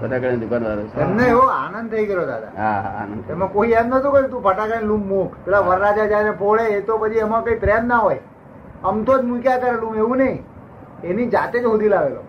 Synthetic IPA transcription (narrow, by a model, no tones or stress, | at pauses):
pʰəʈakəɽnd̪ʊkanʋaɾot͡ʃ̪ʰemneeʋoa̰nə̃nd̪̚t̪ʰəiɡəɾjod̪a̰d̪ʱa̰aa̰nəemãkoiɛmnət̪ũkəɾit̪̬ũpʰəʈakəɽĩlũmːũkpelaʋəɾɾad͡ʒad͡ʒaɾepʰoɭeːt̪opət͡ʃʰiəmakəipɾeanːaɦoj | əmt̪ʰod͡ʒmũkjakəɾelũmeʋũnəɦĩ | enid͡ʒat̪ed͡ʒɦod̪ilaʋelo̰